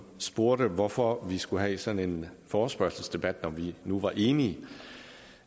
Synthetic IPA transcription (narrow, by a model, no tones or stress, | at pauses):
sb̥o̝ɐ̰ɾ̥əʋɒfɒʋisɡ̥uɦɛsɒ̽ne̝nfɒːsb̥ɶɐsəsd̥e̝b̥æd̥nɒ̽ʋinuʋɑ̈ʔe̝ːniə